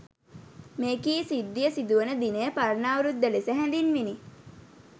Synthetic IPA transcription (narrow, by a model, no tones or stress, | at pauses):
meːkiːsid̪ːijəsid̪uʋənəd̪inəjəpaɾnaːʋuɾud̪ːəlesəɦɛ̃nd̪inʋini